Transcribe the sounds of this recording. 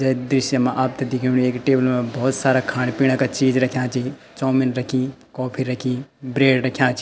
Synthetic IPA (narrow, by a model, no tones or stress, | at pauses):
d͡ʒəjd̪ɾisjəmeʔaːp̚t̪ed̪ikʰiniekʈeːbəlmebɐɦut̪saɾakʰaːɽpiɽ̃əkat͡ʃid͡ʒɾəkʰjãːt͡ʃʰi | t͡ʃɔːminɾəkʰĩkɔːpʰiɾəkʰĩbɾeːɖɾəkʰjãːt͡ʃʰi